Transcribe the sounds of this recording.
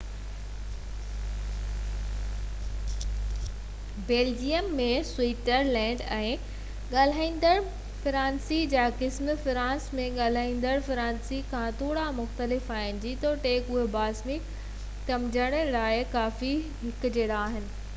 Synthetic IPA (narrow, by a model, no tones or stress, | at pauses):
beːld͡ʑijəmːẽswiːʈəɾlɛ̃ːɳɖɛ̃ː | ɠaːl̤aːĩːnd̪əɾ | fɾãːnsid͡ʑaːkɪsmfɾãːnsmẽɠaːl̤aːĩːnd̪əɽfɾãːnsikʰãt̪ʰoːɽamʊxt̪əlɪfaːɪnɪ̆d͡ʑit̪oʈeːkʊɦebaːsmi | t̪ɐmd͡ʑəɽ̃əlaːɪkaːfi | ɦɪkʊd͡ʑeːɽaːɦɪnɪ̆